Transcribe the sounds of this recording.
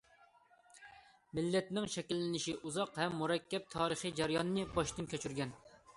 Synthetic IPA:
mɪlːɛt̪nɪŋʃɛkʲilːɪnɪʃiʔuzɑqhɛmːuɾɛkʲʰːɛp̚t̪ʰɑːɾəχɨjd͡ʒæɾjɑnɨnɨbɑʃt̪ɨnkʲʰøt͡ʃʰyɾɡʲɛn

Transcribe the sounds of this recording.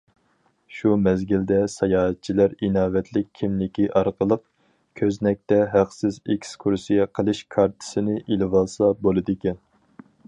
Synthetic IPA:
ʃumɛzɡʲild̪ɛsɑjɑːɦɛt̪̚t͡ʃʰilæɾinɑːvɛt̪ʰlɪk̚ʲʰimlɪkʲiʔɑɾqəlˠəq | kʲʰøznɛk̚ʲt̪ɛɦæqsɪzekʲskʰuɾsijɛqʰəlˠɨʃkʰɑɾt̪ʰɨ̥sɨnɨʔilɪvɑlˠsɑbolˠɨd̪ɨkʲɛn

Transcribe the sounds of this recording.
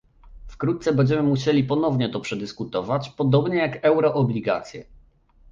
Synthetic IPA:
fkɾut̪t̪sɛbɛɲd͡ʑɛmɘmuɕelʲipɔnɔvɲɛt̪ɔpʂɛd̪ɘskut̪ɔvat͡ɕpɔd̪ɔbɲɛjakɛwɾɔʔɔblʲiɡa̰t̪sʲjɛ̰

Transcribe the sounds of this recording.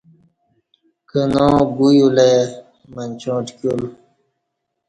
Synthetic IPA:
kənõːɡujule | mənʲt͡ɕõːʈkul

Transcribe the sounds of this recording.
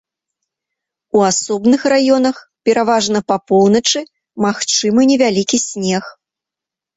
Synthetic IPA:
uasɔbnɨxrajɔn̪ɐx | pʲɛɾavaʐnɐpapɔwnɐt͡ʂɨ | maxt͡ʂɨmɨnʲɛvʲalʲikʲisʲnʲɛx

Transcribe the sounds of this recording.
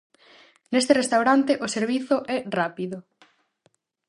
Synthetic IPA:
nest̪erest̪awɾant̪eʔʊseɾβ̞iθʊʔɛrapiðʊ

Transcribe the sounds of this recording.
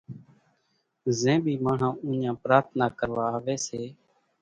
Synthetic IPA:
zẽːɓiːmãːɳ̤ãːũːɲãːpɾaːɾt̪̚ʰnaːkəɾʋaːʋeːseː

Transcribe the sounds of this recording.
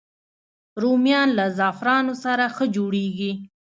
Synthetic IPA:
ɾomjɑnlazɑfɾɑnosaɾaxəd͡ʒoɽeɡi

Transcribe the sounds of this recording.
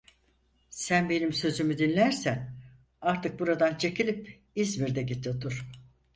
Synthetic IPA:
sænbe̞nimsø̞zymyd̪inlʲæɾsæn | aɾt̪ʰɯk̚buɾad̪ant͡ʃʰe̞cilʲip | izmiɾd̪ɛɟit̪ʰːot̪ʰuɾ̥

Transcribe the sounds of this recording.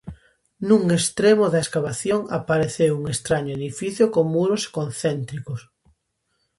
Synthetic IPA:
nuŋest̪ɾemoðaeskaβ̞aθjoŋapaɾeθewuŋest̪ɾaɲoeðifiθjokoŋmuɾose̥konθɛnt̪ɾikʊs

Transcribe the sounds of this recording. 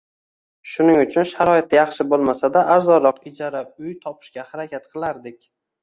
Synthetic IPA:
ʃʊnɪŋʊt͡ʃʰʊnʃaɾɒɪt̪̚ːajɑχʃɪbolˠmasad̪aʔaɾzɒɾɒqɪd͡ʒaɾaʊjt̪ʰɒpʰɪ̥ʃkʲahaɾakʲʰat̪̚qʰɨlˠaɾd̪ɪkʲ

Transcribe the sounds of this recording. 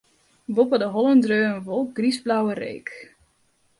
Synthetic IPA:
ʋopədəɦɔlˠəndrøːənʋolˠk̚ɡ̥risblawərḛːk

